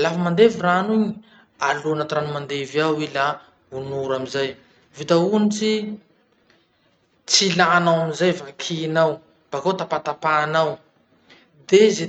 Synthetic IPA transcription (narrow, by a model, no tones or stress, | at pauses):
lafamand̪eviranuɲi | alunat̪ɾanumand̪eviawila | unuɾamizaj | vit̪aunit͡si | t͡silaːnawamizajfakʰinaw | b̥akot̪apat̪apaːnaw | d̪eze